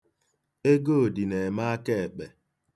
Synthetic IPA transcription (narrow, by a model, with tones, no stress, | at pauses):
e˦ɡo˦o˨di˨ne˨ma˦a˦ke˦e˨k͡pe˨